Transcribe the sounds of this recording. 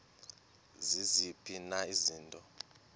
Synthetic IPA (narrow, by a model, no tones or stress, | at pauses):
zizipʰʼinaiziːntʼɔ